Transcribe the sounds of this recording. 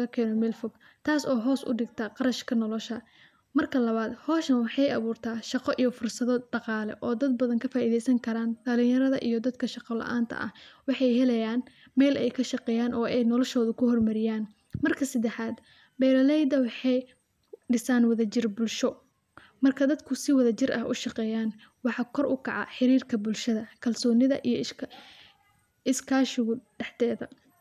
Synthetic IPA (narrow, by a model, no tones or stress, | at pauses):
ɣɐkʰɛːnɔmɛlfɔɡ | t̪ʰaːsɔːɦɔːsʊ̰ɖɪɡt̪ʰɐqɑɾɐʃkʰɐnɔlɔʃɐ | mɐrkʰɐlɐβaːd̪hɔːʃnɐwɑħɑjɐ̰βuːrt̪ʰaːʃɑqɔʔijɔfʊrsɐðɔd̪̥ɑqɑːlɛ̰ʔɔːd̪ɐd̪̚bɐðɐŋkʰɐfaːʔiðɛjsɐŋkʰɐɾaːnɖɐlɪ̃jɐɾɐðɐʔijɞd̪ɐd̪kʰɐʃɑqɔlɐ̰ʔa̰ːnt̪ʰɐ̰ʔɐ̰hwɑħɑjɦɛlɐjaːn | mɛːlʔɛjkʰɐʃɑqɛːjaːnɔːʔɛjnɔlɔʃɔːðʊkʰʊhɔrmɐɾɪjaːn | mɐrkʰɐsɐd̪ɛħaːd̪ | bɛjɾɐlɛjd̪ɐwɑħɑj | ɖɪsaːnwɐðɐt͡ʃɪrbʊlʃɔ | mɐrkʰɐd̪ɐd̪kʰʊsɪwɐðɐt͡ʃɪrʔɐ̰hʔʊ̰ʃɑqɛːjaːn | wɑħɑːkʰɔrʊkʰɑʕɑ̰ħɪɾiːrkʰɐbʊlʃɐðɐkʰɐlsɔːnɪðɐ̰ʔijɞ | ɪskʰaːʃɪɣʊɖɛħt̪ɛːðɐ̰